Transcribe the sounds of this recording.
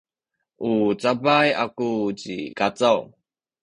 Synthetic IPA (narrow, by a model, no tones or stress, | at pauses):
ʔut͡sabajakut͡ɕḭkat͡saw